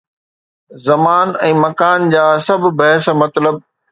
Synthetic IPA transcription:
zɐmaːnɛ̃ːmɐkaːnd͡ʑaːsɐbʱbɐɦsmɐt̪ləb̚

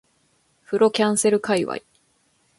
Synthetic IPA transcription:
ɸɯ̟ɾo̞kʲãɰ̃se̞ɾɯ̟kaiβa̰i

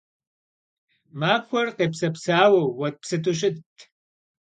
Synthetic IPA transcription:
maːkʷʰɔrqeːpsɐpsaːwɐwːɐt̚psɨtʰuɕ̬ʼɪtʰː

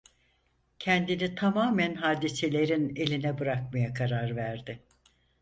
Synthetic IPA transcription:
cʰɛnd̪init̪ʰamaːmænɦaːd̪ise̞lʲe̞ɾine̞lʲinɛbɯɾak̚majakʰaɾaɾvæɾd̪ɪ

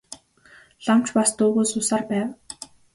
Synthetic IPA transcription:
ɮam̥t͡ɕpast̪oːɣoːsʊsaːrpæːw

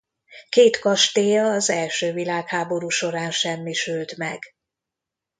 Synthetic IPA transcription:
keːt̪kɒʃt̪eːjɒːzɛlʃøːvilaːkhaːbo̞ɾuːʃo̞ɾaːnʃɛmːiʃylt̪mɛɡ̥

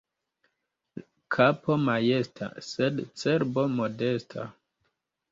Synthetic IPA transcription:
kʰapʰomajestʰa̰sedt͡seɾbomode̞stʰa̰

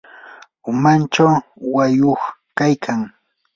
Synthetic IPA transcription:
ʊmant͡ʃawwajoχkajkʰaŋ

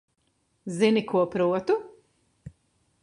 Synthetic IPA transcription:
zinikuɔpɾuɔt̪u

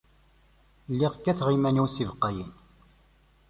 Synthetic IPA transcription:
lːiʁkːæθʁimænusivəqːæjən

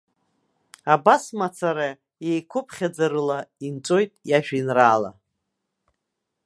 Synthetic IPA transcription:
abasmat͡sʰaɾa | jejkʷʰʊpʰχʲad͡zaɾɨlaint͡sʷʼo̞jtʼjaʒᶣinraːla̰

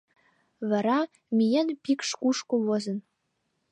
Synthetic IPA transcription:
vɑɾɑ | mʲijenpikʂkuʃkowozɤ̆n

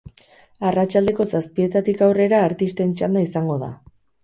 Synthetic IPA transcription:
arat͡ʃald̪e̞ko̞saspie̞t̪at̪ikawre̞ɾaːɾt̪ist̪e̞nt͡ʃand̪aisaŋɡo̞ð̞a̰

